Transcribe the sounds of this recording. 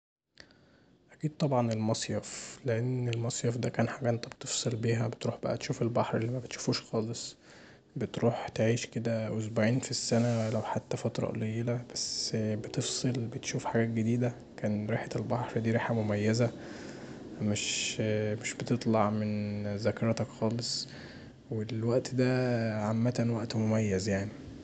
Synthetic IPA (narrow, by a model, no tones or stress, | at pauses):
ʔækiːd̪̥̚t̪ˤɑbʕɑnelmɑsˤjɑfleʔenːelmɑsˤjɑfd̪ækæːnħaɡæːʔent̪ːæbet̪efsˤelbiːɦæbet̪ɾuːħbæʔæt̪eʃuːfelbɑħɾʔelːiːmæbet̪ʃu̥fuːʃxɑːlesˤ | bet̪ɾuːħt̪eʕiːʃked̪æwezbaʕiːnfisːænælæwħat̪ːæfɑt̪ɾˤɑ̰ʔlejelæbæsbet̪efsˤelbet̪ʃuːfħaɡæːt̪̚ɡed̪iːd̪æ | kæːnɾiħet̪elbɑħɾd̪iːɾiːħamomæjːæzæ | meʃmeʃbet̪et̪ˤlɑʕmenzækɑɾˤt̪ækxɑːlesˤ | welwæʔt̪d̪æːʕamːæt̪ænwæʔt̪momæjːæzjaʕni